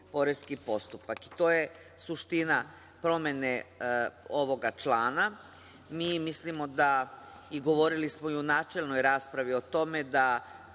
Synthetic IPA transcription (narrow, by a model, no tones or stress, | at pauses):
po̞ɾeskipo̞st̪upaki̥t̪o̞ːje̞ | suʃt̪ina | pɾo̞me̞ne | o̞ʋo̞ɡat͡ʃlˠaːna | miːmislimo̞d̪a | iɡo̞ʋo̞ɾilismoiunaːt͡ʃe̞lˠno̞jɾaːspɾaʋio̞t̪o̞me̞d̪a